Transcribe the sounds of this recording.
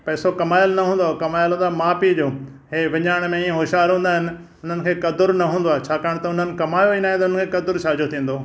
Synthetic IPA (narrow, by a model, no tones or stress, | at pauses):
pɐːɪsokɐmaːjəlnɐɦũːn̆d̪oakɐmaːjɪlɦũːnd̪aːmaːpid͡ʑoː | ɦeːʋɪɲaːɽ̃mẽiːə̃ɦoːʃaːɾɦũːnd̪aːɦɪnɪ̆ | ʊn̤ənɪ̆kʰeːkɐd̪ʊɾnɐɦũːn̆d̪oaːet͡ɕʰaːkaːɽ̃t̪ɐʊn̤ənɪ̆kɐmaːjoinaːɦẽt̪ɐʊnənkʰeːkɐd̪ʊɾʃaːd͡ʑot̪ʰĩːn̆d̪oː